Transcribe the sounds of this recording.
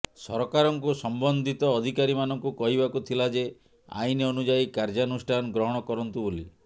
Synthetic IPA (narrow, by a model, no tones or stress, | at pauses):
sɔ̰ɾɔkaɾɔŋkusɔmbɔnd̪ʱit̪ɔːd̪ʱikaɾimanɔŋkukɔɦibakut̪ʰilad͡ʒe | a̰ineɔnud͡ʒaikaɾd͡ʒanusʈʰanɔɡɾɔɦɔɽ̃ɔkɔɾɔnt̪uboli